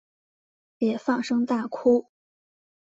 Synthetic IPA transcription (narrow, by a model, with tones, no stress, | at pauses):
jɛ˨˩fɑ˥˩ŋʂɤ˥ŋt̪a˥˩kʰu˥